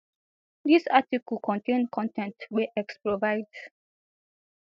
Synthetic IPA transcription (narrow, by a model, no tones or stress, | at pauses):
disatiklkʰɔ̃ntẽnkʰɔ̃ntɛ̃ntwɛʔɛkspɹovaɪds